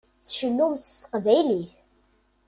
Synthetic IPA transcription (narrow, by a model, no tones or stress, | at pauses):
θʃənːumθst̪qvæjliθ